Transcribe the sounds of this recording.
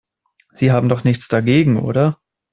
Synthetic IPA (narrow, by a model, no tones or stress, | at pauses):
z̥iːɦaːbm̩dɔχnɪçt͡sd̥aɡeːɡŋ̩ʔo̰ːɾɐ